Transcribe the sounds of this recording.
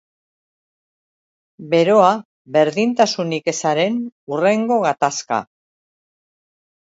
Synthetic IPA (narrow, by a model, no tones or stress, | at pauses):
be̞ɾo̞a | βe̞ɾðint̪asunike̞saɾe̞nure̞ŋɡo̞ɣ̞at̪aska̰